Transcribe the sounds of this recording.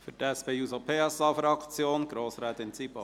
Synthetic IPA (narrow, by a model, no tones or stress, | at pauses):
fytɛspeuːsopʰeːɛsɑːfɾɑkt͡sjoːnɡ̥ɾoːsɾɛːt̪ɪnt͡sipɑ